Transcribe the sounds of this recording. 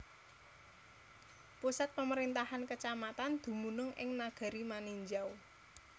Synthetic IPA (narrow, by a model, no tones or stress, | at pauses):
pusat̪̚pəməɾint̪ahankət͡ʃamat̪and̪̥ṳmunʊŋʔɪ̰ŋnaɡ̥a̤ɾimaniɲd͡ʒaw